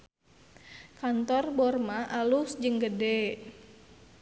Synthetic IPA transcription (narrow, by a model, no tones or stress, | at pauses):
kant̪ɔrbɔrmaʔalusd͡ʒɨŋɡədɛ